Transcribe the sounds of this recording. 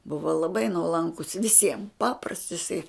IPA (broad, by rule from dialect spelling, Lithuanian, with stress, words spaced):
ˈbʊʋoː lˠɐˈbɐɪ nuɔˈlˠɐŋkʊs ʋʲɪˈsʲiɛm ˈpɑːprɐsts ɪˈsɐɪ